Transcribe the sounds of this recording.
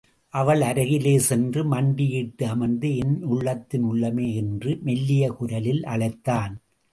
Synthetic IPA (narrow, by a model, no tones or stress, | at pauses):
ʔɐʋɐɭɐɾɐɣɪleːsɛndrɯmɐɳɖɪjiʈːɯɐmɐnd̪ɯɪnʊɭːɐt̪ːɪnʊɭːɐmeːɛndrɯmɛlːɪjɐkʊɾɐlɪlɐ̰ɭɐɪt̪ːaːn